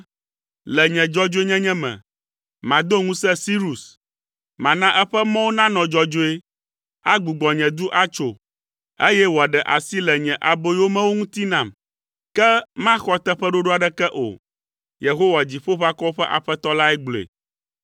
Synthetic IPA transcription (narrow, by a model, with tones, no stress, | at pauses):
lɛ˨ɲɛ̃˨d͡ʒɔ˦d͡ʒo˦e˦ɲɛ̃˦ɲɛ̃˦mɛ̰̃˨ | mã˨d̪o˦ŋũ˦sɛ˦si˦ɾu˨s | mã˨nã˦ʔɛ˦ɸɛ˦mɔ̃˦wo˦nã˦nɔ̃˨d͡ʒɔ˦d͡ʒo˦e˦ | a˦ɡ͡bu˨ɡ͡bɔ˨ɲɛ̃˨d̪u˦ʔa˦t͡ʃo˨ | e˦jɛ˦wo˨a˨ɖɛ˨ʔa̰˨si˦lɛ˨ɲɛ̃˨ʔa˨bo˦wo˦mɛ̃˦wo˦ŋũ˦t̪i˦nã˨m | kɛ˦mã˦xɔ˦t̪ɛ˦ɸɛ˦ɖo˦ɖo˦a˨ɖɛ˦kɛ˦ʔo̰˨ | je˨ɦo˦wa˨d͡ʑi˨ɸo˦ɸa˦kɔ˦o˦ɸɛ˦ʔa̰˨ɸɛ˦t̪ɔ˦la˦ɛ˦ɡ͡blḛ˨